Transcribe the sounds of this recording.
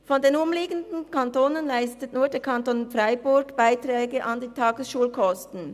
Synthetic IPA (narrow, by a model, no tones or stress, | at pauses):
fɔndenʊmliːɡəndn̩kʰɑntoːnənlaɪstətnuːɐdeːɐkʰɑntonfʁaɪbʊɐɡ̥b̥aɪtʁɛːɡəʔɑndiːtʰɑːɡəsʃuːlkʰɔstn̩